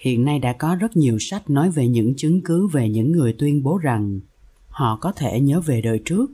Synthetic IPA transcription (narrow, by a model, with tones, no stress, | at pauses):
hḭ˧˨ənːa˧jɗa̰ː˧˥kɔ˨˦zə˦˥t̚ɲi˨˩əwsa˦˥jk̟̚nɔ˨˦jve˨˩ɲɨ̰˧˥ŋt͡ɕɨ˨˦ŋkɨ˨˦ve˨˩ɲɨ̰˧˥ŋːɨ˨˩əjt̪wi˧ənɓo˨˦za˨˩ŋ | hɔ̰˧˨kɔ˨˦t̪ʰe˧˩ɲəː˨˦ve˨˩ɗəː˨˩jt͡ɕɨ˦˥ək̚